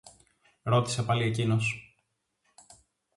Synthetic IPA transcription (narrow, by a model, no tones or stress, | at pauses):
ɾo̞t̪i̥sepɐlie̞cino̞s